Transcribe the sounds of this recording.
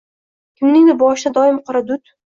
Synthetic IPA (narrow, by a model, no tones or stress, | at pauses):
kʲʰɪmnɪŋd̪ɪbɒʃd̪ad̪ɒɪmqʰʊɾad̪ʊt̪